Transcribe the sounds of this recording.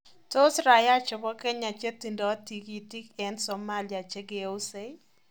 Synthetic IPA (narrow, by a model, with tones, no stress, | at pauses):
to˦sɾa˨ja˦t͡ʃɔ˨bɔ˦kɛ˦ɲa˨t͡ʃe˦t̪i˨ndɔ˨˦ti˨ki˨ti˦kɛ˨nsɔ˨ma˦lia˨t͡ʃe˦ɡe˨u˦se˦